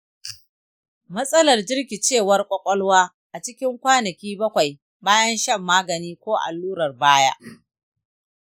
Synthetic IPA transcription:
mɐ˦sʼɐ˦lɐ˨rd͡ʒɪ˦rkʲi˨t͡ʃeː˦˨wɐ˦rkʷʼɔ˦kʷʼɔ˦lwaː˦ | ʔa˨t͡ʃɪ˦kʲɪ˦ŋkʷaː˦nɐ˨kʲiː˦bɐ˦kʷa˨j | baː˦jɐ˦nʃɐ˦˨mːaː˦ɡɐ˨niː˦kʷoː˦ʔa̰˨lːuː˦ɾɐ˨rbaː˦ja̰ː˦ʔ

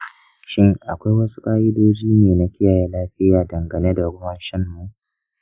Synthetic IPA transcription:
ʃɪ˦ŋʔa˨kʷa˦jwɐ˦su̥˦kʼaː˦ʔɪ˦doː˦d͡ʒiː˦neː˨na˦kʲɪ˦jaː˨ja˦laː˦ɸɪ˦jaː˨dɐ˨ŋɡɐ˨ne˦da˨ɽʊ˦wa˨ʃɪ˦mːu˨ʔ

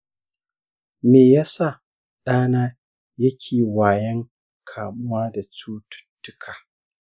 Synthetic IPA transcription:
meː˨ja˦sa˦˨ | ɗaː˦naː˦ | jɐ˦kʲʰeː˨waː˨jɛ˦ŋ | kʰaː˨mʊ˦waː˦da˨t͡ʃuː˦tʊ̥˦tːʊ˦kʰaː˨

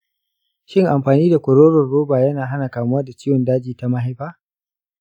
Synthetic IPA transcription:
ʃɪ˦˨ŋʔa˨mɸaː˨niː˦da˨kʷʊ˨ɾoː˦ɾɔ˨rːoː˦baː˨jɐ˦naː˨ɦa˦na˨kaː˨mʊ˦wɐ˦da˨t͡ʃɪː˦jwɔ˨ndaː˦d͡ʒiː˨ta˦ma˦ɦa˦jɸaː˦

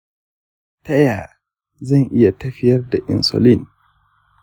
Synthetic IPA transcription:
tɐ˦ja˨ | zɐ˦˨ŋʔɪ˦ja˨tɐ˦ɸɪ˦jɐ˦rda˨ʔɪ̰˨nso̰˨li˦˨n

